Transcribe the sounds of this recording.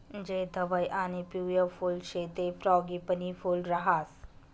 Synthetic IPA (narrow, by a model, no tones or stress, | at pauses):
d͡ʒeːd̪ʱɐʋajʔaːnipuːjafʰuːlʃeːt̪efɾɔːɡipənifʰuːlɾɐɦaːs